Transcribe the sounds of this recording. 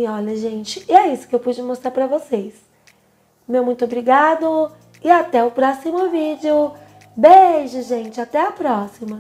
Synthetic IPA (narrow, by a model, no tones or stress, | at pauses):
ɪɔʎɐʒẽt͡ʃɪ̥ɪɛisʊ̥kɪewpud͡ʒɪmost̪ɾaɾpɾɐvoses | mewmũj̃t̪ʊobɾiɡad̪ʊ | ɪat̪ɛʊpɾɔsimʊvid͡ʒɪʊ | beʒɐʒẽnt͡ʃɪat̪ɛɐpɾɔsimɐ